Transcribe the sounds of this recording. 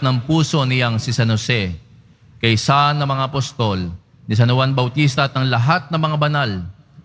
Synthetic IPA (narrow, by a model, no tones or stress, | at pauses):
nɐŋpuːso̞nɪjaŋsɪsɐnosɛ | kɐjsaʔnːɐmɐŋaʔɐpost̪o̞l | nɪs̬ɐnowanbɐwt̪ist̪ɐʔːt̪̚ɐŋlɐɦat̪̚nɐmɐŋabɐnal